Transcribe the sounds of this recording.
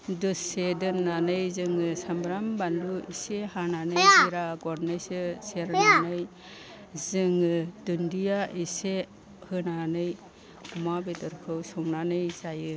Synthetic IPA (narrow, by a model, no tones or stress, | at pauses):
dɯsedɯnːanɯjzɯŋɯsambɾambanduisehananɯjiɾaɡɔɾnɯjsɯseɾnanɯj | zɯŋɯdundijaʔise | hɯnanɯj | ɔmabedɯɾkʰɯwsɔŋnanɯjzajɯ